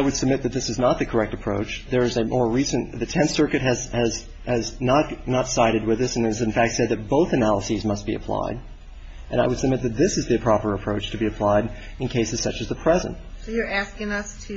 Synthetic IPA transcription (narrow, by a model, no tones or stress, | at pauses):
aɪwɨd̥səb̚mɪt̪̚ðɨt̪̚ðɪsɨznət̪̚ðɨkʰə˞ɛk̚tɨpʰɹ̥oʊt͡ʃðə˞ɨzɨmʔɔɹɹisɨ̃nðɨtʰɛ̃nθsɜ˞kɨt̚ɦɨzɨz | ɨznətnətsaɪɾɨd̚wɨðɪsɨ̃nɨzɨ̃nfæk̚tsɛd̪̚ðɨt̚b̥oʊθɨnælˠəsizmʌst̚b̥iɨ̰pʰl̥a̰ɪɾ | ʔɨ̃ɾ̃aɪwɨd̥səb̚mɪt̪̚ðɨt̪̚ðɪsɨzðiɨpʰɹ̥ɑpə˞ɨpʰɹ̥oʊt͡ʃtʰɨbiɨpʰl̥aɪɾ | ɨ̃nkʰeɪsɨz̥sʌt͡ʃɨzðɨpʰɹ̥ɛzɨ̰̃nt̚ | soʊjə˞æskɪ̃ŋʌstʰɨ